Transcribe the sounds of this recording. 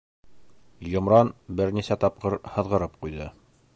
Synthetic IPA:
jŏmɾɑnbɘɾnisæt̪ɑp̚qɤɾhɤ̆ðʁɤ̆ɾɤp̚qujðɤ

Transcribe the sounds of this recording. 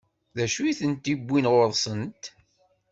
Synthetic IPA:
ðæʃujθənt̪ibʷːinʁoɾˤsˤənt̪

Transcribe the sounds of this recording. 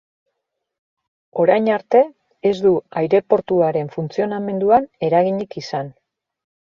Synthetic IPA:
o̞ɾajɲaɾt̪e̞ː | zd̪uajɾe̞po̞ɾt̪uaɾe̞ɱfunt͡sio̞name̞nd̪uane̞ɾaɣ̞iɲikisan

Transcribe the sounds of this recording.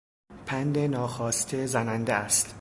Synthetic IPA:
pʰænd̪enɒːxɒːst̪ʰezænænd̪eæst̪

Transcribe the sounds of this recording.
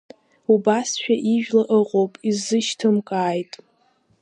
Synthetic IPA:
ubasʃᶣaʔiʒᶣlaʔɨqʼowpʼizɨʃtʰɨmkʼaːjtʼ

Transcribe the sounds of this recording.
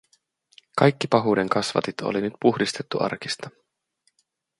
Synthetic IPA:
kɑjkːipɑɦuːde̞ŋkɑsʋɑ̰t̪it̪ʰo̞̰linyt̪̚puxdist̪e̞t̪ːuʔɑ̰rk̟ist̪ɑ

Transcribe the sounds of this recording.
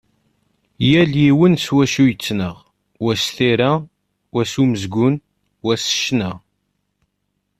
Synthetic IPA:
jæljiwənswæʃujət͡sːnəʁ | wæsθiɾa | wæsuməzɡʊn | wæsə̥ʃnə

